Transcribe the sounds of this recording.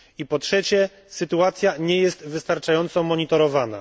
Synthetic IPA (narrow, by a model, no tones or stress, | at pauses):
ipɔtʂɛt͡ɕɛ | sɘt̪uat̪sʲjaɲɛjɛst̪vɘst̪aɾt͡ʂajɔnt̪sɔmɔɲit̪ɔɾɔvana̰